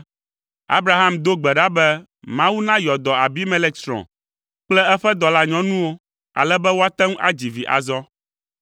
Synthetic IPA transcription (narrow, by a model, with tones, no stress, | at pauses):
a̰˦bɾa˨ɦa˦md̪o˦ɡ͡bɛ˨ɖa˦bɛ˦ | mã˦wu˦nã˦jɔ˨d̪ɔ˨a˨bi˦mɛ̃˦lɛ˦ksɾɔ̰̃˨ | k͡plɛ˦ɛ˦ɸɛ˦d̪ɔ˨la˦ɲɔ̃˦nũ˦wo˦ | a̰˨lɛ˦bɛ˦wo˦a˦t̪ɛ˦ŋ˦ʔa̰˦d͡ʑi˨vi˨ʔa̰˨zɔ˦